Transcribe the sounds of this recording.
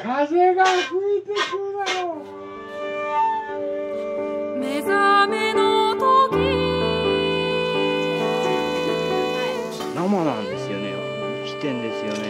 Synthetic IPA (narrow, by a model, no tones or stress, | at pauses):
kʰaze̞ɡakɯ̟it̪ekɯnaɾo | me̞zamenot̪okʲi | namanãnd̪e̞sɨjo̰nḛ | kʲi̥t̪ẽ̞nd̪e̞sɨjone